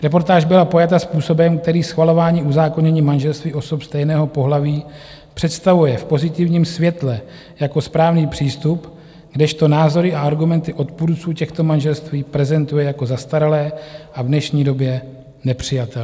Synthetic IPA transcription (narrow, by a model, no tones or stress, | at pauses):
ɾɛp̬o̞ɾt̪aːʒbɪlapo̞jat̪aspuːso̞bɛmk̚t̪ɛɾiːsxvalo̞vaːɲiːuzaːko̞ɲɛɲiːmanʒɛlst̪viːʔo̞sopst̪ɛjnɛːɦo̞po̞ɦlaviː | pr̥ɛt̪st̪avujɛfpo̞zɪt̪ɪvɲiːmsvjɛt̪lɛ | jako̞spɾaːvniːpr̥iːst̪up | ɡdɛʃt̪o̞naːzo̞ɾɪʔaaɾɡumɛnt̪ɪʔo̞t̪̚puɾt͡suːcɛxt̪o̞manʒɛlst̪viːpɾɛzɛnt̪ujɛjako̞zast̪aɾalɛːʔavnɛʃɲiːdo̞bjɛ | nɛpr̝̥ɪjat̪ɛl